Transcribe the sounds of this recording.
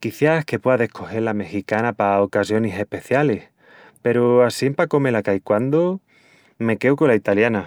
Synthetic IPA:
kiθjahke̞pwe̞aðe̞hkʰo̞xe̞ɾlame̞xikanapaokasjo̞nese̞hpe̞θjale̞h | pe̞ɾoasimpako̞me̞lakajkwand̪o | me̞ke̞wko̞lait̪aljana

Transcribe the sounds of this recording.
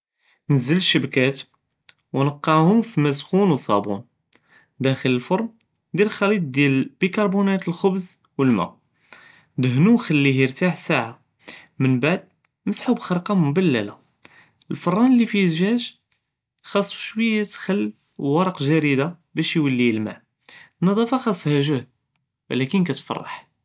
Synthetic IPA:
nəzːələʃːəbkæt̪ | wnəqːɑʕhʊmfimæsxunwsˤɑ̰bṵn | d̪æxələlfoɾˤm | d̪ælxɑlid̪̚d̪jælb̥ikɑɾˤbunæt̪əlxʊbz | wəlmæ̰ | d̪əɦnuxəlːiɦiəɾt̪aħsaʕa | mənbaʕd̪̚ | məsħubxɑɾqɑmʊbælːæla | əlfɑrˤːɑnəlːifiəzʒæʒ | xɑsˤːʃwəjːat̪xəlː | wɑɾˤɑqʒæɾid̪abæʃjwəlːilma̰ʕ | nːɑd̪ˤɑfɑxɑsˤːhæʒəhd̪̚ | wæ̰lækənkæt̪fɑ̰rˤːɑ̰ħ

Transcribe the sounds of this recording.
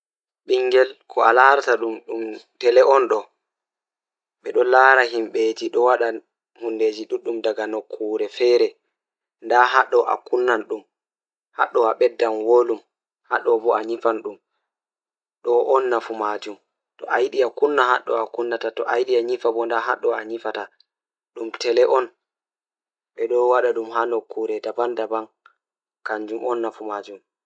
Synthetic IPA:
ɓiŋɡɛlkʰɔalaɾtaɗumɗumtɛlɛʔɔnɗɔ | ɓɛɗɔlaːɾaɦimɓed͡ʒiɗɔwaɗa | hunded͡ʒiɗuɗumdaɡanɔkʰːuɾɛfɛːɾɛ | ndaɦaɗːɔʔa̰kunːanɗum | ha̰ɗːɔaɓɛdːanwolum | haɗːɔbɔaɲifanɗum | ɗɔʔɔnːafumad͡ʒum | tɔʔajɗiakunːaha̰ɗːɔakunːatatɔʔajɗiaɲifabɔndaɦa̰ɗːɔaɲifata | ɗumtɛlɛʔɔn | ɓɛɗɔwaɗaɗumhanɔkːuɾɛdabandaban | kaɲd͡ʒumʔɔnːafumad͡ʒum

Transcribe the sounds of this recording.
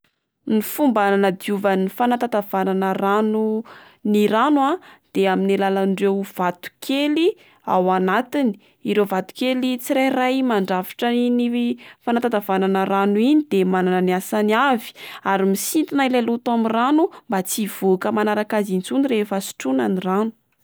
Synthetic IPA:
nifumbananəd̪iuvənifanat̪at̪av̥ananəranu | niɾanwad̪̥eaminilalanɖ͡ʐewv̥at̪u̥kʰeli | a̰wanat̪ini̥ | iɾevat̪u̥kelit͡siɾajrajmaɳɖ͡ʐafi̥ʈ͡ʂəinifanat̪at̪avananəɾanuinid̪emanananasaniavi̥aɾimisint̪inailalut̪amiranumbat͡siv̥okəmanaɾakazint͡suniɾefəsi̥ʈ͡ʂunaniranu̥

